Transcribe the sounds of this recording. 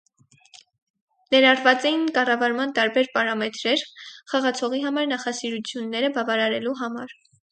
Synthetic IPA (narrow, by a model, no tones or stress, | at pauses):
nɛɾɑrvɑt͡sɛjinkɑrɑvɑɾmɑnt̪ɑɾbɛɾpɑɾɑmɛt̪ɾɛɾχɑʁɑt͡sʰɔʁiɦɑmɑɾnɑχɑsiɾut͡sʰjunːɛɾəbɑvɑɾɑɾɛluɦɑmɑɾ